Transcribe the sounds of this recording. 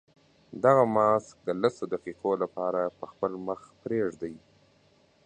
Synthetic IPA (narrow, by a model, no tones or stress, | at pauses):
d̪aɣamɑsk̚d̪əlasod̪aqiqolapɑɾapəxpəlməxpɾeʐd̪aj